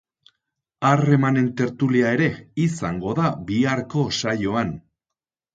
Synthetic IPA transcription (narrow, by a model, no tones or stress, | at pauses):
are̞mane̞nt̪e̞ɾt̪uliae̞ɾe̞isaŋɡo̞ðabiaɾko̞sajo̞an